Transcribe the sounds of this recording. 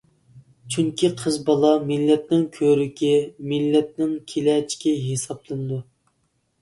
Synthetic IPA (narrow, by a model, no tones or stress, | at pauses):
t͡ʃʰyŋkʲʰiqʰəzbɑlˠɑmɪlːɛt̪nɪŋkʲʰøɾykʲɛmɪlːɛt̪̚nɪŋkʲʰelɛt͡ʃʰi̥kʲɛɦesɑblˠɨnɨd̪u